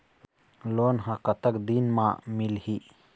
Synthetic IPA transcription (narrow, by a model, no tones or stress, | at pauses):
loːnɦãkət̪əkd̪inmã̰mɪlhi